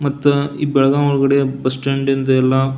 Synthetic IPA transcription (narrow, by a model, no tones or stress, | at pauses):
mɐt̪ːuiːbɛɭɐɡaɔɭɐɡɐɽebɐsʈeɳɖind̪ɐɛlːɐ